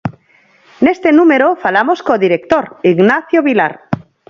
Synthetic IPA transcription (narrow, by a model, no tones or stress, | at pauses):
ne̞st̪e̞nume̞ɾofalamo̞sko̞ðiɾe̞k̚t̪oɾiɣnaθjoβila̰ɾ